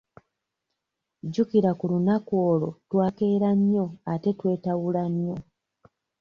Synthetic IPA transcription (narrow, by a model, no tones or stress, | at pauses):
ɟukiɾakulunakwo̞ːlo̞̰twaːke̞ːɾaɲːo̞ate̞twe̞ːtawulaɲːo̞